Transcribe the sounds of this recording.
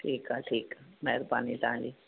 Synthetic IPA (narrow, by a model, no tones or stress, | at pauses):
ʈʰiːkɦaʈʰiːkmɛɦɾbaːnilãːli